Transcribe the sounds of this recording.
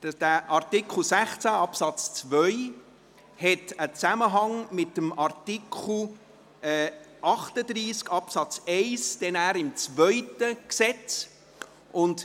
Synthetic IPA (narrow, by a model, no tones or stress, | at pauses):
d̥æʔɑɾtɪkχl̩ˠsæχt͡sæɑpsɑt͡st͡svœʏ | hɛtət͡saməɦɑŋmɪtːəmɑɾtikʰχl̩ | ɛː | ʔɑχtədɾiːskɑpsɑt͡seɪsd̥ɛnæːɾɪmt͡svœʏtəksɛt͡s | ʔʊnd